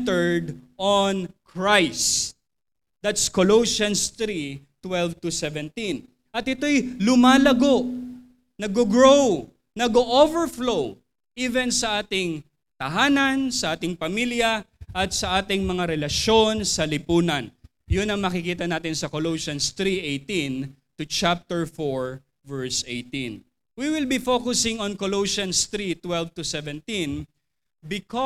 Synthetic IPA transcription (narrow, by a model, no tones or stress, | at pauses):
t̪ɛɹd̪ʔonkʰɹajs | d̪̥at̪skoloʃɐnst̪ɾit̪wɛlvt̪ʊsɛvɛ̃nt̪in | ʔɐt̪ɪt̪o̞jlʊmaːlɐɡo̞ʔ | nɐɡoɡɹow | nɐɡoʔovɛɹflow | ʔiːvɛnsɐʔaːt̪ɪŋ | t̪ɐɦaːnɐnsɐʔaːt̪ɪŋpɐmiljɐʔɐt̪sɐʔaːt̪ɪŋmɐŋaɾɛlɐʃo̞nsɐlɪpuːnɐn | jʊnɐŋmɐkɪkiːt̪ɐnaːt̪ɪnsɐkolowʃɐnst̪ɾiʔejt̪ĩn | t̪ʊt͡ʃap̚t̪ɛɹfoɹ | vɛɹsʔejt̪ĩn | wiwɪlbifokʊsɪŋɔ̃nkoloʃɐnst̪ɾit̪wɛlvt̪ʊsɛvɛ̃nt̪ĩn | bɪkɔ